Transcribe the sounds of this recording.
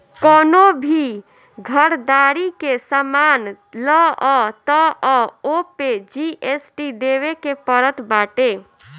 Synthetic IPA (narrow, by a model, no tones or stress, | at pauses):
kɔːnobʱi | ɡʱəɾd̪aːɾikesamaːn | lɔɔt̪ɔɔːoped͡ʒiʔesʈid̪eːwekepəɾət̪ʰbaːʈe